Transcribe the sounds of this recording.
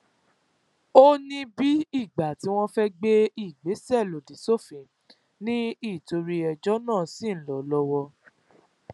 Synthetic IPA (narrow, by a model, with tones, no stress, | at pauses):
o˦nĩ˧bi˦i˦˨ɡ͡ba˨ti˨˦w̃ɔ̃˦fɛ˦ɡ͡be˦i˦˨ɡ͡be˨˦sɛ˦˨lo˨di˨so˦˨fĩ˨˦ | nĩ˦i˦˨to˧ɾi˧ɛ˧d͡ʒɔ˦nãː˦˨si˦˨n̩˦lɔ˨lɔ˧˦wɔ˧